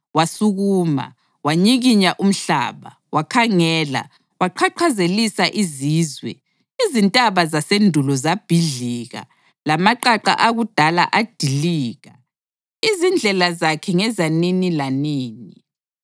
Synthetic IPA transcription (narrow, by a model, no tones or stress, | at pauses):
wasuɣuːma̰ | waɲiɣiɲaʔum̩ɬa̰ːβa̰ | wakʰaŋɛːla̰ | waǃʰaǃʰazelisaʔiziːzwɛ̰ | izintʼaβazasendʱulɔzab̥ʱiɮiɣa̰ | lamaǃaǃa̰ʔaɣud̥ʱala̰ʔad̥ʱiliːɣa | izind͡ɮʱɛlazakʰɛŋɛzaninilaniːni